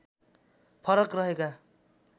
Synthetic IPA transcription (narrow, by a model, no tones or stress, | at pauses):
pʰʌɾʌkrʌɦeka